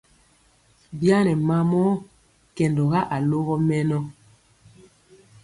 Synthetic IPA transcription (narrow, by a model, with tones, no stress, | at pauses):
bja˦nɛ˨ma˦mɔ˦ | kɛ˨ndɔ˨ɣa˦ʔa˨lo˦ɣɔ˦mɛ˦nɔ˦